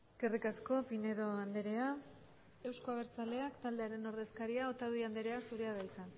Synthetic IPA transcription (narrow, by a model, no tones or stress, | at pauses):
ɡ̥erikasko̞pine̞ðo̞and̪eɾe̞a | e̞wsko̞aβ̞e̞ɾt͡sale̞akt̪ald̪e̞aɾe̞no̞ɾðe̞skaɾiaot̪aðuiand̪eɾe̞asuɾeaðajt͡san